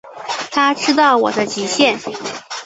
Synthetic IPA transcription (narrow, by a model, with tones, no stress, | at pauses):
t̪ʰa˥ʈ͡ʂʰɻ̩˥t̪ɑ˥˩ʊwɔ̰˨˩d̪ə˧t͡ɕi˧˥ɕjɛ˥˩n